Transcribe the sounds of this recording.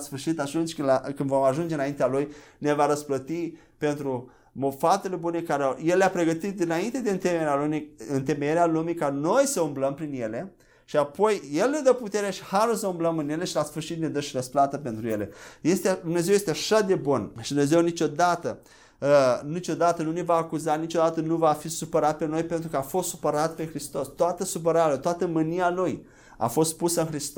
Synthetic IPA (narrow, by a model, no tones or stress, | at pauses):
sfɨɾʃit̪at̪unt͡ʃʲkɨlakɨnvomaʒund͡ʒeɨnaint̪ealuj | nevaɾəsplət̪i | pe̞nt̪ɾu | mofat̪ele̞bune̞kaɾeje̞lleapɾe̞ɡət̪it̪̚d̪inaint̪e̞d̪e̞ɨnt̪emeɾealumiɨnt̪e̞mejeɾealumikano̞jsəumbləmpɾinje̞le̞ | ʃiapo̞jje̞lne̞d̪əput̪e̞ɾeaʃi̥haɾusəumbləmɨnje̞leʃilasfɨrʃit̪ne̞d̪əʃiɾəsplat̪əpe̞nt̪ɾujele̞jest̪ed̪umne̞zewjest̪eaʃad̪e̞bunʃid̪umne̞ze̞wnit͡ʃo̞d̪at̪ə | nit͡ʃo̞d̪at̪ənune̞vaːkuzanit͡ʃo̞d̪at̪ənuvafisupəɾat̪̚pe̞no̞jpe̞nt̪ɾukəafo̞st̪supəɾat̪pe̞xɾist̪o̞st̪oat̪əsup̬əɾaeət̪oat̪əmɨnialuj | a̰fo̞st̪pusəɨnxɾist̪